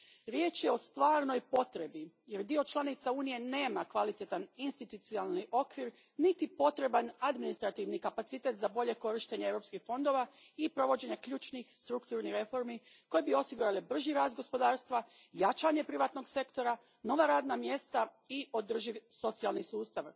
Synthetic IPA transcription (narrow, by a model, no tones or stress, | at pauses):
ɾje̞ːt͡ʃje̞o̞st̪ʋaːɾno̞jpo̞t̪ɾe̞bi | je̞ɾd̪io̞t͡ʃlˠanit̪sauːnije̞ne̞ːmakʋalit̪et̪aninst̪it̪ut̪sialˠniʔo̞kʋiɾ | nit̪ipo̞t̪ɾe̞banad̪minist̪ɾat̪iʋnikapat̪sit̪e̞t̪zabo̞ʎe̞ko̞ɾiʃt̪e̞ɲeewɾopskixfo̞nd̪o̞ːʋaipɾo̞ʋo̞d͡ʑe̞ɲekʎuːt͡ʃnixst̪ɾukt̪uɾniɾe̞fo̞ɾmi | ko̞jebio̞siɡuɾalebr̩ʒiɾaːzd̪ɡo̞spo̞d̪aːɾst̪ʋa | jat͡ʃaːɲe̞pɾiʋaːt̪no̞ɡse̞kt̪o̞ɾa | no̞ʋaɾaːd̪namje̞st̪a | io̞d̪r̩ʒiʋso̞t̪sialˠnisuːst̪aʋ